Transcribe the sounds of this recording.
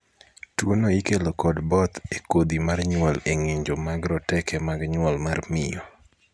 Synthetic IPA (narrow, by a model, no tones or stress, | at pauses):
twonoikelokɔdbɔt̪ekod̪imarɲwɔleŋɪɲd͡ʒɔmaɡɾɔtɛkɛmaɡɲwɔlmarmɪ̰jɔ